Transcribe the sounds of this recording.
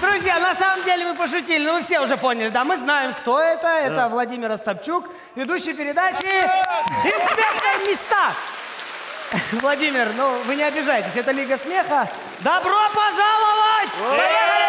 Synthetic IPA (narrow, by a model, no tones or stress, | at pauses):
d̪ɾʊzʲjanɐsaməmdʲelʲɪmɨpəʂ̬ʊtʲilʲɪnovɨfsʲeʊʐɛpo̞nʲɪlʲɪd̪amɨznajɪmkt̪o̞ɛt̪əɛt̪əvlˠɐdʲimʲɪɾɐst̪ɐp̚t͡ɕuk | vʲɪd̪uɕːɪjpʲɪɾʲɪd̪at͡ɕɪ | ɪkspʲe̞rt̪nɨjmʲɪst̪a | vlˠɐdʲimʲɪrnuvɨnʲɪɐbʲɪʐajɪtʲɪsʲɛt̪əlʲiɡəsmʲe̞xə | d̪ɐbɾopɐʐalˠəvətʲ